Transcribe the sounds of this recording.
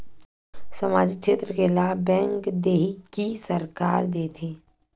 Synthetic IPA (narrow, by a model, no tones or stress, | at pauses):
səmaːd͡ʒikʃeːt̪ɾəkelaːbɛ̃ːŋkd̪eːɦikisəɾkaːɾd̪eːt̪ʰeː